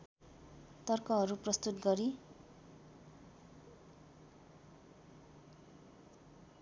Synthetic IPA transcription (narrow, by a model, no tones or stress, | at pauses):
t̪ʌrkʌɦʌɾuprʌst̪ut̪ɡʌɾi